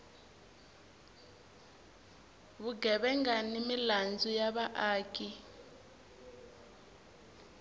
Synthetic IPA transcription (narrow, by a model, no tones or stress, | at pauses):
βuɡʱɛɓɛŋɡanimiland͡zujaɓaʔaːkʼi